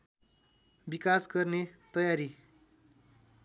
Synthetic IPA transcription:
bikasɡʌrnet̪ʌjaɾi

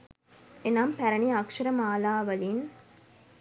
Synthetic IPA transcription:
enaːmpæɾɐniɐkʂɐɾɐmaːlaːʋɐlin

